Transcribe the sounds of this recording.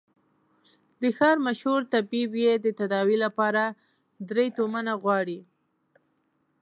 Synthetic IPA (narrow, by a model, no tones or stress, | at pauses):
d̪əxɑɾmaʃhuɾt̪abibjed̪ət̪ad̪ɑwilapɑɾa | d̪ɾejt̪omanaɣwɑɽi